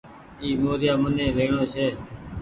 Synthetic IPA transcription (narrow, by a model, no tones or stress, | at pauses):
iːmoːɾjaːmənẽːɾeːɳõːt͡ʃʰeː